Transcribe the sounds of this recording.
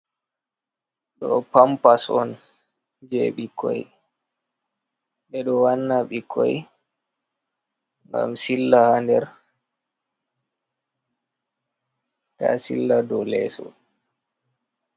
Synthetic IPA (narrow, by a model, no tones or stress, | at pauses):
ɗɔpampasɔn | d͡ʒeɓikʰɔj | ɓɛɗɔwanːaɓikʰɔj | ŋɡa̰msilːahandɛɾ | tasḭlːadɔlɛsɔ̰